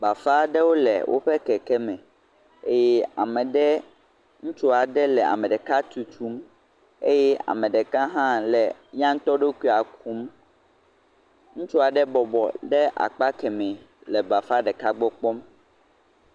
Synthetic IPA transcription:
ba˨fa˦ɖɛ˦wo˦lɛ̰˨wʔo̰˦ɸɛ˦kɛ˨kɛ˦mɛ̃˨ | e˦jɛ˦a˨mɛ̃˨ɖɛ˦ | ŋũ˦t͡ʃu˦a˨ɖɛ˦lɛ˨a̰˨mɛ̃˨ɖɛ˨ka˦t̪u˨t͡ʃu˦m | e˦jɛ˦a̰˨mɛ̃˨ɖɛ˨kã˦ɦã˦lɛ˨ɲã˦ŋ̩˦t̪ɔ˦ɖe˦kui˦˨a˨k̚ʰu˦m | ŋũ˦t͡ʃɔ˦a˨ɖɛ˦bɔ˨bɔ˨ɖɛ˦ʔa̰˨k͡pa˦kɛ˨mɛ̃˨ | lɛ˨ba˨fa˦ɖɛ˨ka˦ɡ͡bɔ˦k͡pɔ˦m

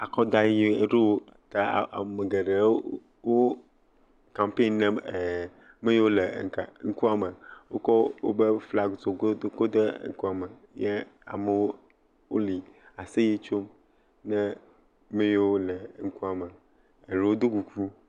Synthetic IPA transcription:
a˨kɔ˦d̪a˦jji˦e˨ɖe˦wo˦˨t̪a˦˨a̰˨me˨ɡe˨ɖe˨˦ | wo˦ | kã˨mpe˦˨nnɛ̃˦m˨ | me˦je˦wo˦le˨ŋ˨ka̰˨˦ŋ̩˦ku˦a˨me˨wo̰˦kɔ˦wo̰˦be˦fla˨ɡzo˨ɡo˦o˦ko˦d̪e˦ŋ̩˦ku˦a˨me˨ | ɲɛ˦a̰˨me˨wo˦ | wo˦li˨a˨se˦je˦t͡ʃo˦m | nɛ̃˦ | me˦jwo˦lɛ˨˦ŋ̩˦ku˦a˨me˨ | e˨ɾe˨wo˦d̪o˦ku˨ku˦

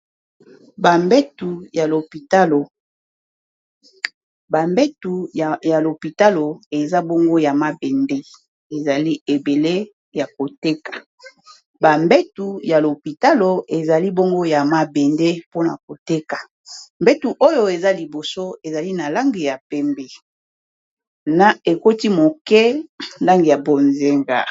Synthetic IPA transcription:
ba˨mbe˦tu˨ja˨lo˨pi˨ta˦lo˨ | ba˨mbe˦tu˨ja˨lo˨pi˨ta˦lo˨e˨za˦bo˦ŋɡo˦ja˨ma˦bɛ˨nde˦ | e˨za˨li˦e˨be˨le˦ | ja˨ko˨te˦kḁ˨ | ba˨mbe˦tu˨ja˨lo˨pi˨ta˦lo˨e˨za˨li˦bo˦ŋɡo˦ja˨ma˨bɛ˨nde˦po˦na˨k̚o˨te˦ka˨ | mbɛ˦tu˨ʔo˦jo˦e˨za˦li˨bo˨so˦e˨za˨li˦na˨la˦ŋɡi˨ja˨pɛ˦mbɛ˨ | na˨e˨ko˦ti˦mo˨kɛ˦nda˦ŋɡi˨ja˨bo˨nze˦ŋɡa̰˨

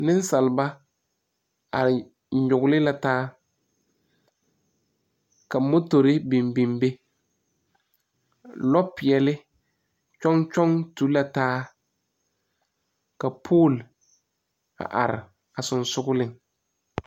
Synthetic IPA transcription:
nɪ̃˦n˦sa˨lba˦ | a̰˨ɾɪ˨˦ | ɲʊ˨ɡʊ˦lɪ˦la˨taː˦ | ka˨mo˦to˨ɾɪ˦bi˨mbi˨mbe˦ | lɔ˦pɪ˨ɛ˨lɪ˦ | t͡ʃɔ˦ŋt͡ʃɔ˦ŋtu˦la˨taː˦ | ka˨pʰoː˦˨l | a̰˨ʔa̰˨ɾɪ̰˨ | a˨sʊ˨nsʊ˦ɡʊ˦lɪ˨ŋ

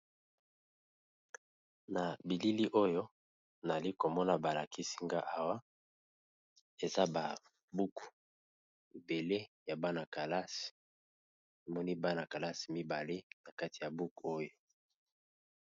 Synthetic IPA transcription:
na˨bi˨li˦li˦ʔo˦jo˦ | na˨li˦ko˨mɔ˦na˨ba˨la˨ki˦si˦ŋɡa˦ʔa˦wa˦ | e˨za˦ba˨ | bu˦ku˨ | be˨le˦ja˨ba˦na˨ka˨la˦s | e˨mɔ˦ni˦ba˦na˨ka˨la˦si̥˨mi˦ba˨le˦na˨ka˦ti˨ja˨bu˦ko˦jo˨

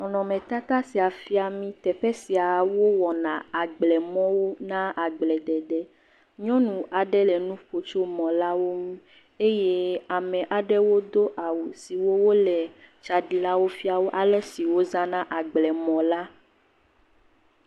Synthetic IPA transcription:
ɔ̃˨nɔ̃˨mɛ̃˨t̪a˦t̪a˦si˨a˨fi˦a˨mĩ˦t̪ɛ˨ɸɛ˦si˨a˨wo˦wɔ˨nã˨a˨ɡ͡blɛ˨mɔ̃˦wo˦nã˦ʔa˨ɡ͡blɛ˨ɖɛ˨ɖɛ˦ | ɲɔ̃˦nũ˨a˨ɖɛ˦lɛ˨nũ˦ɸo˨t͡ʃo˦mɔ̃˨la˦wo˦mũ˦ | e˦je˦a˨mɛ̃˨ʔa˨ɖɛ˦wo˦d̪o˦ʔa˨wu˨si˨wo˦wo˦lɛ˨ | t͡ʃa˨ɖi˨la˦wo˦fi˦a˨wo˦ʔa˨lɛ˦si˨wo˦zã˦nã˦ʔa˨ɡ͡blɛ˨mɔ̃˨la˦

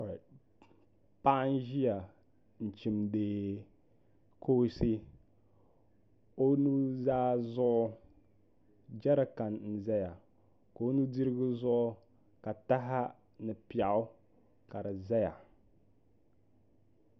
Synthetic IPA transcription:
pa˦ʔn˦ʒi˦ja˨ | n̩˨t͡ʃi˨mdeː˨ | kʰo˦si˦ | o˦nu˦zaː˦zʊ˦ʔ | d͡ʒɛ˦ɾa˨ka˨nn̩˨zɛ˦ja˨ | ko˨o˦nu˦di˦ɾɪ˦ɡɨ˦zʊ˦ʔʊ˦ | ka˨ta˦ɦa˦ | nɨ˨pi˨a˨ʔʊ˦ | ka˨ɾɨ˨zɛ˦ja˨

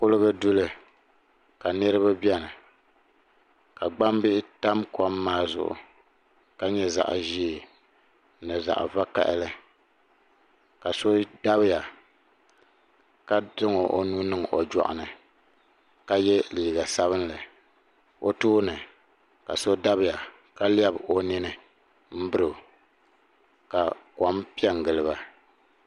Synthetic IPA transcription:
kʊ˦lɨ˦ɣɨ˦dʊ˦lɨ˦ | ka˨nɨ˦ɾɨ˦βa˦bi˦ɛ˦nɨ˨ | ka˨ɡ͡ba˦mbɪ˦ʔɪ˦ta˦mkʰɔ˦mːaː˦zʊ̰˨ʔʊ̰˨ | ka˦ɲɛ˦za̰˨ʔʒiː˦˨ | nɨ˨za̰˨ʔva˦ka̰˦˨ʔɪ̰˦lɨ˦ | ka˨so˦da˦bɪ˦ja˨ | ka˦dɨ˦ŋo˨ʔo˦nuː˦nɨ˦ŋ˨ʔo̰˨d͡ʒɔ̰˨ʔʊ̰˨nɨ˨ | ka˦jɛ˦liː˨ɡa˨sa˦βɨ˦n˦lɨ˨ | o˦tuː˦nɨ˨ | ka̰˨so˦da˦bɪ˦˨ja˨ | ka˦lja˦bo˦ni˦nɨ˦ | m̩˦bɨ˦ɾɨ˨ | ka˨ka˨˦mpi˦ɛ˦ŋ˨ɡɨ˨lɨ˨ba˨

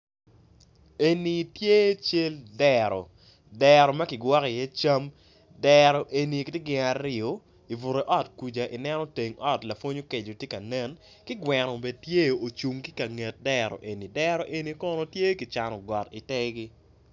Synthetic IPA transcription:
e˨ni˨tje˦t͡ʃe˦ldɛ˨ɾɔ̰˨ | dɛ˨ɾɔ˨mɐ˦kɪ˨ɡwɔ˦ki˨jɛ˦t͡ʃa˦m | dɛ˨ɾɔ˨ʔe˨ni˨kɪ˦te˦ɡɪ˨ŋa˨ɾjo˨ | i˨vu˨ɾe˨ʔɔ˦tku˨d͡ʒa˨ʔi˨nɛ˦nɔ˦te˨ŋɔ˦tla˨fwo˦ɲo˦ke˨d͡ʒo˨tje˦ka˨nɛ˦n | kɪ˦ɡwɛ˨nɔ˨be˨d̚tje˦o˨t͡ʃu˨ŋki˦ka˨ŋe˨t̚dɛ˦ɾɔ̰˨ʔe˨ni˨dɛ˦ɾɔ˨ʔe˨ni˨kɔ˦no˨tje˦kɪ˨t͡ʃa˨nɔ˨ɡɔ˨ti˨tɛ˦ɡi˦

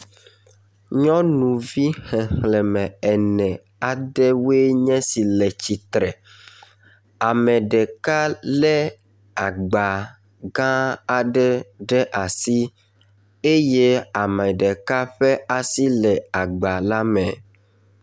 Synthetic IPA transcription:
ɲɔ̃˦nũ˨vi˦hɛ˨xlɛ˨mɛ̃˨ɛ˨nɛ̃˨ | a˨ɖɛ˦we˦ɲɛ̃˦si˨lɛ˨t͡ɕi˨t̪ɾɛ˨ | a˨mɛ̃˨ɖɛ˨ka˦lɛ˦ | a˨ɡ͡ba˨ | ɡã˦a˨ɖɛ˦ɖɛ˦ʔa˨si˦ | e˦je˦a˨mɛ̃˨ɖɛ˨ka˦ɸɛ˦a˨si˦lɛ˨a˨ɡ͡ba˨la˦mɛ˨

